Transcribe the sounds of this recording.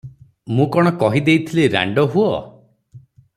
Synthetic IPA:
mũkɔɽ̃ɔkɔɦid̪ejt̪ʰileɾa̰ɳɖɔɦuɔ

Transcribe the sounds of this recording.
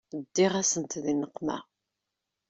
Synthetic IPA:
d̪ːiʁæsənt̪ðinəqːmæ̰

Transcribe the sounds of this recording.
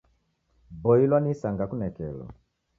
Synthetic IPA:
bɔilwanisaŋɡakunɛkɛ̰lɔ̰

